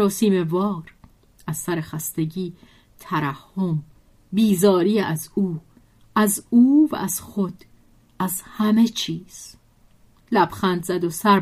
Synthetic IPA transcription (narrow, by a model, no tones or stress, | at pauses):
ɒːsiːme̞vɒːɾ | ʔæz̥sæɾe̞xæst̪e̞ɟiː | t̪ʰæɾæhːom | biːzɒːɾiːæzuː | æzuːvæ̰ʔæz̥xod̪̥ | æzhæme̞t͡ʃʰiːz̥ | læb̥xænd̪zæd̪osæɾ